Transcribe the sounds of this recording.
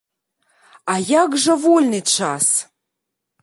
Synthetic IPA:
ɑjɑɡʒə̆volʲnit̪ʃɑs

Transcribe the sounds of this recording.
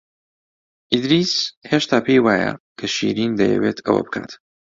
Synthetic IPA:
ʔid̪ɾiːsheʃt̪ʰaːpʰejwaːjɐ̰kʰɐʃḭːɾind̪ɐjɛ̰weːt̪ʰɐ̰wɐ̰bɨ̥kʰa̰ːt̪

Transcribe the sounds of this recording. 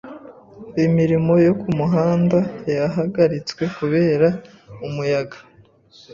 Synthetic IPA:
imiɾimo̞jo̞kumuɦaːndajaɦaɡaɾit͡swe̞kuβe̞ːɾa | umujaɡḁ

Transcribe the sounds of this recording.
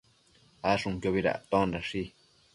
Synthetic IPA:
aʂũŋkjoβiɾa̰t̪õnɾaʂi

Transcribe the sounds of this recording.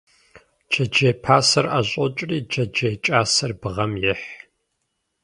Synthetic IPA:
d͡ʒɐd͡ʒeːpʰaːsɐraɕʼɔt͡ʃʼriːd͡ʒɐd͡ʒeːt͡ʃʼaːsɐrbɨʁɐmjɪħ

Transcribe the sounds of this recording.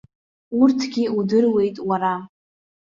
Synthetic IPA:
urtʰɡʲiudɨrwe̞jtʼwaɾa

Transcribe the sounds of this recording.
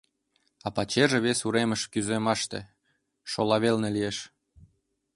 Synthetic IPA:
ɑpɑt͡ɕeʒĕβesuɾemə̆ʃkyzemɑʃt̪ḛ̆ | ʃolɑβelnĕlieʃ

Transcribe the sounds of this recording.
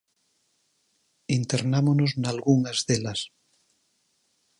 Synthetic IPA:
int̪eɾnamonoznalɣuŋazðelas

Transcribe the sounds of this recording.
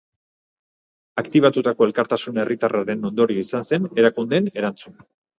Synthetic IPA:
akt̪iβ̞at̪ut̪ako̞e̞lkaɾt̪asune̞rit̪arʔaɾe̞no̞nd̪o̞ɾiisanse̞ne̞ɾakund̪e̞ne̞ɾant͡suna

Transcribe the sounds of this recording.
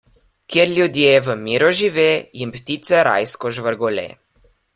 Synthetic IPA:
kjeɾlʲjud̪jeɛʋəmiːɾɔʒiʋeːjimpt̪it̪sɛɾa̰jskɔʒʋəɾɡɔlḛː

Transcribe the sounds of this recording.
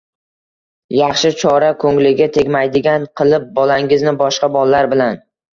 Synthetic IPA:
jɑχʃɪt͡ʃʰɒɾakʰɵŋlɪɡʲat̪ʰe̞ɡʲmajd̪ɪɡʲanqʰɨlˠɪp̚bɒlaŋɪznɪbɒʃqɑbɒlˠːaɾbɪlan

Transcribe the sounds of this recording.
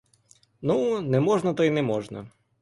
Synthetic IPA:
nunɛmɔʐnɐt̪ɔinɛmɔʒnɐ̰

